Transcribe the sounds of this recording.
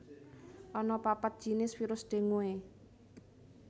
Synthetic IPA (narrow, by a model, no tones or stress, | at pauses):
ʔɔnɔpapət̪̚ʒ̥i̤nɪsfiɾʊsɖ̪̥e̤ŋoe